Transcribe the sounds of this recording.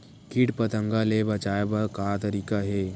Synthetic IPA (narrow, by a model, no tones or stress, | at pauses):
kiʈpɐt̪ə̃ŋɡalebɐt͡ʃaːebakat̪ɐɾiːkaɦeː